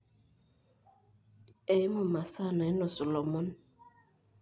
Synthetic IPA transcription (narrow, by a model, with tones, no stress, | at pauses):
e˨˦mo˨ma˨sa˦˨na˨i˦nɔ˨sɔ˨lɔ˨mɔ˦n